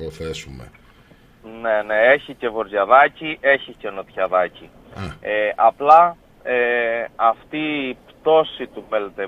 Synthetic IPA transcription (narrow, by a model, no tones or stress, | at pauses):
poθesumḛ | ne̞ne̞eçice̞vo̞ɾʝɐðɐciʔe̞çice̞no̞t̪çɐðɐci | eʔɐplɐ | eɐft̪ipt̪o̞sit̪ufelet̪e